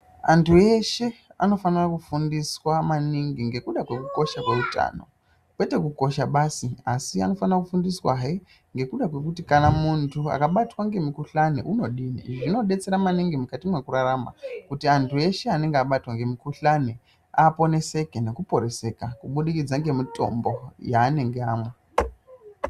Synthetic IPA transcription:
antue̞ʃe̞ano̞fanirakufundiswamaniŋɡiŋɡe̞kuɗakwe̞kuko̞ʃakwe̞uta̰no̞̰ | kwe̞te̞kuko̞ʃaɓasiasia̰no̞fanirakufundiswaɦe | ŋɡe̞kuɗakwe̞kutikanamuntʰua̰kaɓatwaŋɡe̞mikuɬanḛʔuno̞ɗiːnḭʐino̞ɗe̞t͡se̞ɾamaniŋɡimukatimwe̞kuɾaɾama̰kutiantʰue̞ʃeane̞ŋɡeaɓatwaŋɡe̞mikuɬane | aːpo̞ne̞se̞kene̞kupo̞ɾe̞se̞kakuɓuɗikid͡zaŋɡe̞mito̞̰mbo̞jaːne̞ŋɡe̞aːmwe

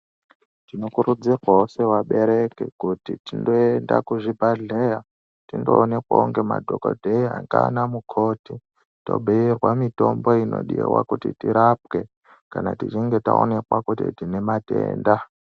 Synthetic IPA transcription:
tino̞kuɾud͡zirwaɦose̞waɓe̞ɾe̞kḛkutitindoenda̰kuʐibʱaɮeja | tindoːne̞kwauŋɡe̞ma̰dʱokodʱeiɦaŋɡanamukʰo̞ti | to̞̰bʱiirwamito̞mbo̞ino̞̰ɗiḛwa̰kutitiɾap̚ke̞ | kanatit͡ʃiŋɡe̞taone̞kwakutitine̞matḛːnda

